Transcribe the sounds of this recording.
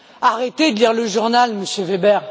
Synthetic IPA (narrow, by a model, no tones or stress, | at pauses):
aʁet̪ed̪əliʁləʒuʁnalməsjøvebɛʁ